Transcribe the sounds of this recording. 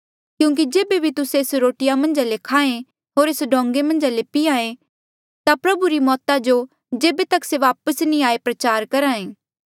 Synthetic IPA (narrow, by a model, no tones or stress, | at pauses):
kjũːŋk̬id͡ʒeːbebʱit̪ʊsesɾoːʈɪjamɐ̃nd͡ʒalekʰaːẽ | ɦoːɾesɖʱõːŋɡemɐ̃nd͡ʒalepiaːẽ | t̪apɾɐbuɾimɔːt̪ad͡ʒo | d͡ʒeːbet̪ɐkseʋaːpəsnĩaːepɾɐt͡ʃaːɾkɐɾaːẽː